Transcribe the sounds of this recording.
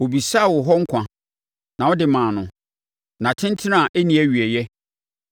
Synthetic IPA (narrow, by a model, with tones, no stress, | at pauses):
wo˨bi˨sa˦˨wɔ˨ɦɔ˦ŋ̩˦kʷʰã˨ | nã˨wɔ˦dɪ˨mãː˨nʊ̃˨ | nã˨tʰɪ̃˦n˦tʰɪ˦nã˦˨ʔe˦nĩ˨˦æ˦ɥy˨ɛ˨jɛ˦